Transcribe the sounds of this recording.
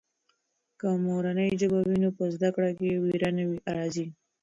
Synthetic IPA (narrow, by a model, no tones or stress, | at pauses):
kəmoɾanəjd͡ʒəbawinopəzd̪akɽakewiɾanawiʔaɽazi